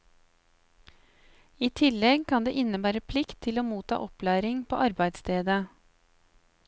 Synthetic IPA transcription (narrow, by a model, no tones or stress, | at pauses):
iːt̪ʰɪlɛɡkʰɑnd̪ḛːʔɪnəbæːɾəpʰlɪkt̪ʰːɪloːmuːt̪ʰɑ̰ːʔɔplæːɾɪŋpʰo̰ːʔɑɾbæɪd̪st̪ʰeːd̪ə